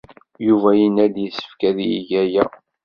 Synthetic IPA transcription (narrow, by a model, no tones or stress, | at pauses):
juvæjənːæd̪jəsːə̥fkæðiiʝæjæ